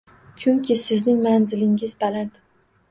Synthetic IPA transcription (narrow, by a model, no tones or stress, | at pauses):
t͡ʃʰʊŋkʲʰɪsɪznɪŋmanzɪlɪŋɪzbalant̪